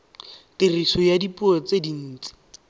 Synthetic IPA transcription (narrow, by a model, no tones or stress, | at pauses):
tɪrisɔjadipuɔt͡sedin̩ːt͡si̥